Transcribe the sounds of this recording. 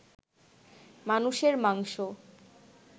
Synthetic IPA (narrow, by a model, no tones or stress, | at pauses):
manuʃeɾmaŋʃo